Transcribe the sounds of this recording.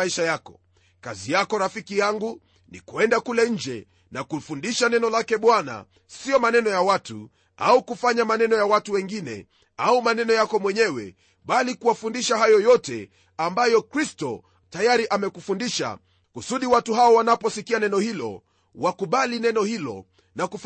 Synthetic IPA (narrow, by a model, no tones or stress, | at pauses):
iʃajakɔ̥ | kazijakɔɾafikijaŋɡu | nḭkuɛndakulɛɲ̩d͡ʒɛ | nakufundiʃanɛnɔlakɛɓwana̰ | siɔmanɛnɔjawatu | a̰ukufaɲamanɛnɔjawatuwɛŋɡinɛ̰ | aumanɛnɔjakɔmwɛɲɛwɛ̰ | ɓalikuwafundiʃaɦajɔjɔtɛ̰ | ambajɔkɾistɔ | tajaɾiʔamɛkufundiʃa̰ | kusuɗiwatuɦaɔwanapɔsikianɛnɔhilɔ̰ | wakuɓalinɛnɔhilɔ̰ | nakuf